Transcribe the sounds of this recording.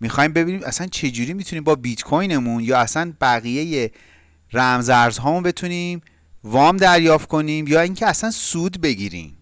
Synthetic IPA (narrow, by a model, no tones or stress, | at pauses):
mixɒːjimbe̞biːniːmʔæsænt͡ʃʰe̞d͡ʒuːɾiːmit̪ʰuniːmbɒːbit̪kʰojne̞munjɒːæsænb̥æɣije̞je̞ | ræmzæɾzɦɒːmunbe̞t̪ʰuniːm | vɒːmd̪æɾjɒːft̪kʰo̞niːmjɒːiːŋcʰeæsænsuːd̪be̞ɟiːɾḭːm